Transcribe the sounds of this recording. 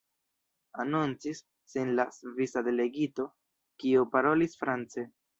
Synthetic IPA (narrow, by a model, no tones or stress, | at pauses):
anunt͡sisː | enlasvisade̞le̞ɡito̞ | kiopaɾo̞lisfɾant͡se̞